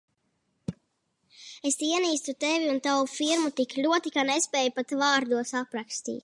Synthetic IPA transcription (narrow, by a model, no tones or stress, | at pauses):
est̪iɛniːst̪ut̪eviunt̪awufiɾmut̪iklʲuɔt̪ikanespʲɛːjupat̪vaːɾd̪uɔsapɾakst̪ḭːt̪